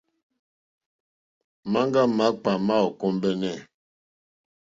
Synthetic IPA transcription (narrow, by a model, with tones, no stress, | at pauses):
ma˦ŋɡa˦ma˨˦k͡pa˨ma˦ɔ˨kɔ˦mbɛ˦nɛ˦˨